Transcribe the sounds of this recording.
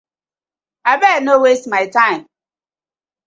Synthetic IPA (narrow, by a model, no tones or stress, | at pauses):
abenowestmaɪtãɪm